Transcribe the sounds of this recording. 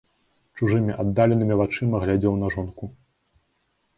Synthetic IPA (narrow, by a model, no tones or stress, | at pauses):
t͡ʂuʐɨmʲiʔad̪ːalʲɛnɨmʲivat͡ʂɨmɐɣlʲad͡zʲɛwnɐʐɔnku